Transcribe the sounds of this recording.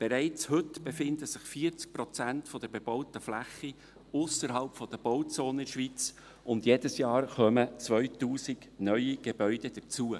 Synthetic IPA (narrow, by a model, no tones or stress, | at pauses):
b̥eɾæɪt͡shɵtb̥efɪndəsɪχfiːət͡sk̚pɾɔt͡sæntfɔd̥̪əɾbeb̥ɔwt̪əflæχːi | ʊsəɾɦɑlpfɔd̥̪əb̥ɔwt͡soːnɪnʃʋit͡s | ʊnd̥jed̥əsjɑːɾχœmət͡svœʏtuːsɪɡ̥nœʏiɡ̥ebœʏd̥ɛd̥əɾt͡suə